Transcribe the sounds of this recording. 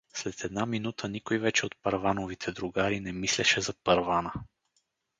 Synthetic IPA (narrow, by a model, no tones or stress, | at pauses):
slɛt̪ʰɛd̪naminut̪ʰənikojvɛt͡ʃɛot̪̚pɐɾvanovit̪ʰɛd̪ɾuɡaɾinɛmislɛʃɛzɐpɐɾvanə